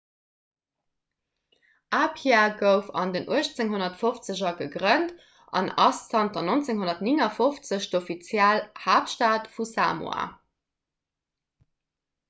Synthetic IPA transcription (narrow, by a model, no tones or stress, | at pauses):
ʔaːpʰjaɡəʊfɑ̰ndənʔuəɕt͡seŋɦonɐtfoft͡səʑɐɡəɡʁənt | ʔɑ̰nɑ̰st͡sɑntɐnont͡seŋɦonɐtniŋɐfoft͡səɕdofit͡sjælhaːpʃtaːtfusa̰ːmw̰a̰ː